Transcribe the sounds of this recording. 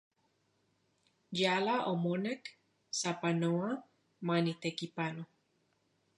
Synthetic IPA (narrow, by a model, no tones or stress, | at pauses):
jalaʔomonek | sapanoa | manit̪ekipano